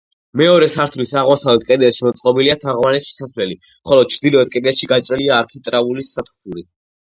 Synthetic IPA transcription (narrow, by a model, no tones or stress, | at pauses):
mɛɔɾɛsʰaɾt̪ʰlisaʁwasalɛd̪̚kʼɛd̪ɛʃimɔt̪sʼqʼɔbiliat̪ʰaʁvanɛi̥saslɛli | mχɔlɔd̪̥̚t͡ʃʰɾd̪ilɔɛd̪̚kʼɛd̪ɛʃiɡat͡ʃʼɾɛliaːɾk̪ʰit̪ʼɾaulisːat̪ʰpʰuɾi